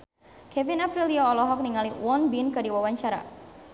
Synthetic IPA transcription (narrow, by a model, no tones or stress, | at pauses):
kɛvinapɾiliɔːlɔɦɔk̚niŋaliwɔnbinkɨdiwawaɲt͡ʃaɾa̰